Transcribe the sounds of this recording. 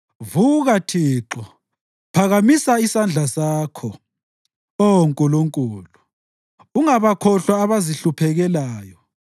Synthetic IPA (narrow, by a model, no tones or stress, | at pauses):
vuɣatʰiːǁɔ | pʰaɣamisaisand͡ɮʱasaːkʰɔ | ɔŋkʼuluŋkʼuːlu | uŋaβakʰɔɬwaːβaziɬupʰɛɣɛlaːjɔ